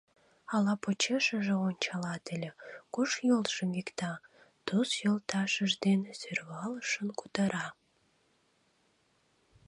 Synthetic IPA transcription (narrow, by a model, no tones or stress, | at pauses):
ɑlɑpot͡ɕeʃəʒĕonʲt͡ɕɑlɑt̪ə̆lʲĕkuʃjulʃəmikt̪ɑ | t̪usjolt̪ɑʃəʒd̪ensørβɑləʃənkut̪əɾʔɑ